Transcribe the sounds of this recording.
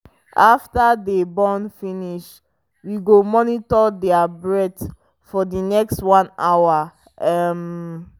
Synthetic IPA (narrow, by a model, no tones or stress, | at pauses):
aftadebɔ̃nfiniʃ | wiɡomɔnitɔdɛabɹɛt | fɔdinɛkstwãnawa | ɛm